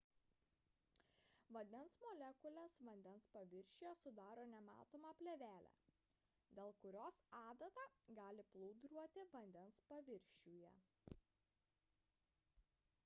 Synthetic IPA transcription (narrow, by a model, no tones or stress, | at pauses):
ʋɐnʲd̪ʲɛnsmɔːlʲɛkʊlʲɛsʋɐnʲd̪ʲɛnspɐʋʲɪɾʲʃʲuːjɛsʊd̪ɑːɾoːnʲɛmɑ̰ːt̪oːmɑpʲlʲɛʋʲæːlʲæ̰ | d̪ʲeːlˠkʊɾʲoːsɑːd̪ɐt̪ɑɡɑːlʲɪplˠʊʊd̪ɾuɔt̪ʲɪʋɐnʲd̪ʲɛnspɐʋʲɪɾʲʃʲuːjɛ̰